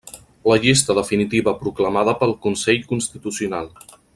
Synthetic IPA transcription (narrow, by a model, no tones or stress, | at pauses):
ləʎist̪əðəfinit̪iβəpɾukləmaðəpəlˠkunsɛʎkunst̪it̪usiunalˠ